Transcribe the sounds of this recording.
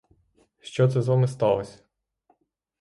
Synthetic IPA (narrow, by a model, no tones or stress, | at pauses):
ʃt͡ʃɔt̪sɛzʋɑmɪst̪ɑlˠɔsʲɐ̥